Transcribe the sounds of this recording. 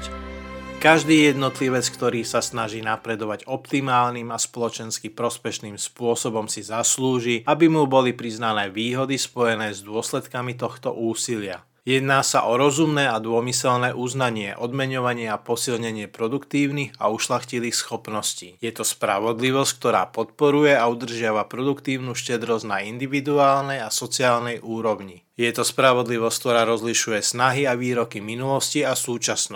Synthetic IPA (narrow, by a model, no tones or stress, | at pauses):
kaʒd̪iːjɛd̪nɔt̪liʋɛt͡skt̪ɔɾiːsasnaʒiːnapɾɛd̪ɔʋaɟɔpt̪imaːlnimaspɔlɔt͡ʃɛnskipɾɔspɛʃniːmspʊɔsɔbɔmsizasluːʒiabimubɔlipɾiznanɛːʋiːɦɔd̪ispɔjɛnɛːzd̪ʊɔslɛt̪kamit̪ɔxt̪ɔ̰ʔuːsilɪa | jɛd̪naːsa̰ʔɔɾɔzumnɛːad̪ʊɔmisɛlnɛːʔuznaɲɪɛʔɔd̪mɛɲɔʋaɲɪɛapɔsilɲɛɲɪɛpɾɔd̪ukt̪iːʊniɣa̰uʃlaxciliːxsxɔpnɔsciːjɛt̪ɔspɾa̰ʋɔd̪liʋɔsck̚t̪ɔɾa̰ːpɔt̪̚pɔɾujɛaud̪r̩ʒɪaʋapɾɔd̪ukt̪iːʊnuːʃcɛd̪ɾɔznaind̪iʋid̪uaːlnɛjasɔt͡siaːlnɛjʔuːɾɔʊɲi | jɛt̪ɔspɾaʋɔd̪liʋɔsc̚k̚t̪ɔɾaːɾɔzliʃujɛsnaɦiaʋiːɾɔkiminulɔsciasuːt͡ʃasnɔ